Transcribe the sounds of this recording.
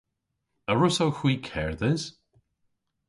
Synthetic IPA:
əɹʊsowxwiːkʰɛɹðɪz̥

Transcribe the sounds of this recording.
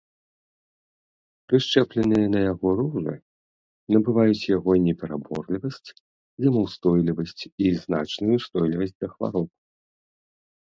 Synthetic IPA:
pɾɨʂt͡ʂɛplʲɛnɨjɐnɐjaɣɔɾuʐɨ̰ | nɐbɨvajut͡sʲjaɣɔnʲɛpʲɛɾabɔrlʲivɐsʲt͡sʲ | zɐmuwst̪ɔjlʲivɐsʲt͡sʲiznat͡ʂnujust̪ɔjlʲivɐsʲd͡zʲd̪ɐxva̰ɾɔp

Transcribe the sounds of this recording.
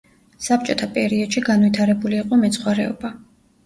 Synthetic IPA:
sap̚t͡ʃʼɔt̪ʰapʼɛɾiɔd̪̥ʃiɡanvit̪ʰaɾɛbuliːqʼɔmɛt̪sʰχwaɾɛɔ̰ba

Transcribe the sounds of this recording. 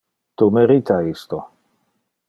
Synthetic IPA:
t̪umeɾit̪ʰaist̪o

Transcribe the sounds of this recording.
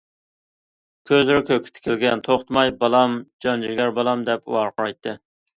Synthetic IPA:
kʲʰøzlɪɾɪkʲʰøkʲʰɪ̥t̪ʰɪ̥kʲʰɪlɡʲɛnt̪ʰoχt̪mɑjbɑlˠɑmd͡ʒɑnd͡ʒiɡʲæɾbɑlˠɑmd̪ɛpṵwɑɾqʰʊɾɑjt̪ʰːɨ

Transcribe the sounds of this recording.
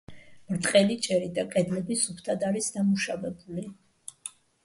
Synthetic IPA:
mɾt̪ʼqʼɛlit͡ʃʼɛɾid̪akʼɛd̪lɛbisupʰt̪ʰad̪aɾisd̪amuʃavɛbuli

